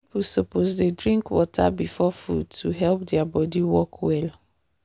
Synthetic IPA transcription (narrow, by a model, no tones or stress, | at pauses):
ipusopozdedɹĩŋkwɔtʰa̰bifɔfṵd̚tʰuɦɛlp̚dɛabɔdiwɔkʰwɛl